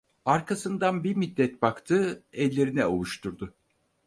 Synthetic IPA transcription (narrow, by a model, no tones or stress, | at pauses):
aɾkʰasɯnd̪anbiɾmid̪ːɛt̪̚bakt̪ʰɯːɛlʲːe̞ɾinɛolˠuʃt̪ʰuɾd̪ʊ